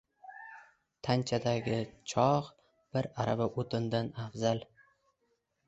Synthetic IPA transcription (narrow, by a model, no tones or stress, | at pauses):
t̪ʰant͡ʃʰad̪aɡʲɪt͡ʃʰɒʁ | b̥ɪɾaɾabaʔot̪ʰɪnd̪anafzal